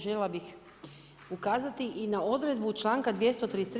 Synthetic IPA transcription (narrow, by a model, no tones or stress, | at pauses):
ʒellabix | ukaːzat̪iʔinao̞d̪ɾed̪but͡ʃlˠaːŋkad̪ʋje̞st̪ot̪ɾid̪est̪ɾ